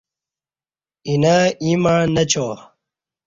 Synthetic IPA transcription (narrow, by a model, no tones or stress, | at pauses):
inaiːmanɐt͡ɕʰoː